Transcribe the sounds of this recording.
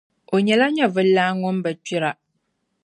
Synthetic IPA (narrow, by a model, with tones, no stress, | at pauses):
o˨ɲɛ˨la˦ɲɛ˦vɨ˦lːaː˦ŋʊ˦mbɨ˨t͡ʃi˦ɾa˨